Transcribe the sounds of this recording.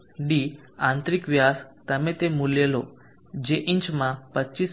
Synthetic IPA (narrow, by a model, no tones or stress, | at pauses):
ɖi | ãnt̪ɾikʋjast̪əmẽt̪emuljelo̰ | d͡ʑeʔiɲt͡ɕmãpətːɕis